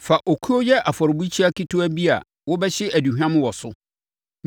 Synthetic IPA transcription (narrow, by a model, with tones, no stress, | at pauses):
fa˨ʔo˨kʰu˦o˦jɛ˦ʔa˨fɔ˨ɾɪ˨bu˦t͡ɕʰi˦a˦ki˦tʰu˦æ˦bi˦a̰˨ | wɔ˦bɛ˦ɕɪ˦ʔæ˨du˨ɦᶣã˦mʊ̃˦wɔ˨sʊ˦